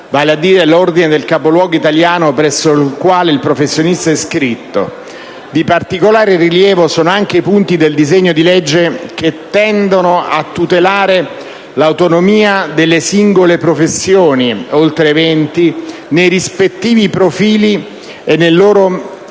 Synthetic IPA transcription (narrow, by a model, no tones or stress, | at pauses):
vaːlead̪ːiːɾelord̪ined̪elkapolwɔːɡoit̪aljaːnopɾɛsːoilkwaːleilpɾofesːjonist̪aɛskɾit̪ːo̰ | d̪ipart̪ikolaːɾeriljɛːvosoːnoaŋk̟eipunt̪id̪eld̪izeɲːod̪iled͡ʒːeket̪ːɛnd̪onoa̰t̪ːut̪elaːɾe | lawt̪onomiːad̪elːesiŋɡolepɾofesːjoːniolt̪ɾeːvɛnt̪inejɾispet̪ːiːvipɾofiːli | enːejloːɾo